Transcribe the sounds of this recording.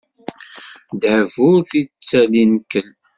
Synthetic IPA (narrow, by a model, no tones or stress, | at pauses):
d̪ʕvʊɾθit͡sːælinkən